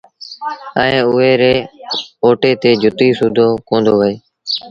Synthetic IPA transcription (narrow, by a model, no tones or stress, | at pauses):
əẽːʊɦeːɾeːoːʈeːt̪eːd͡ʒʱʊt̪iːsuːd̪ʱoːkõːnd̪oːʋəeː